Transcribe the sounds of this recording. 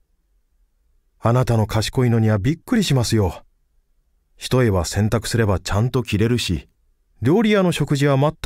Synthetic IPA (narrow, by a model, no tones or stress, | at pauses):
anat̪ano̞kʰaɕi̥ko̞ino̞ɲ̟iβabʲikːɯ̟ɾʲiɕimasɨjo̞ | çi̥t̪o̞e̞βasẽ̞nt̪akɯ̟̥sɨɾe̞bat͡ɕãnt̪o̞kʲiɾe̞ɾɯ̟ɕḭ | ɾʲo̞ːɾʲijano̞ɕo̞kɯ̟ʑiβamat̪ː